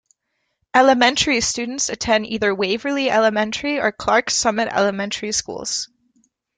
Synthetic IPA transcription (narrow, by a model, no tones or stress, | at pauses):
ʔɛlˠəmɛ̃ntʰə˞istʉdⁿn̩tsɨtʰɛ̃niðə˞weɪvə˞liɛlˠəmɛ̃ntʰə˞iə˞kʰl̥ɑɹksʌmɨɾɛ̰lˠəmɛ̃ntʰə˞iskṵlˠz̥